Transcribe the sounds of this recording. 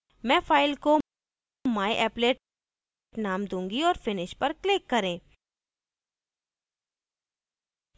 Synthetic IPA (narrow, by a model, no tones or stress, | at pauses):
mɛ̃ːfaːɪlko | maːiʔɛːpleːʈ | ʈnaːmd̪ũːŋɡiɔːɾfɪnɪʃpɐɾklɪkːɐɾẽː